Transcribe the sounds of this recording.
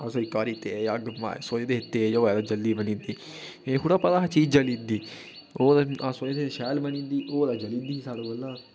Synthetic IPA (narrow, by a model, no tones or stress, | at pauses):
asoːikaːɾit̪eːjaɡəma̰ːsoːeːd̪eːɦɪt̪ːeːd͡ʒaoːɛd̪ad͡ʒəld̪iːbənĩːnd̪iː | eːkʊɽaːpad̪aːɦat͡ʃiːd͡ʒəliːnd̪iː | oːd̪aasoːet̪eʃɛːlmənĩːnd̪iːʔoːd̪aːd͡ʒəliːnd̪iːisaːɽoːɡəlːaː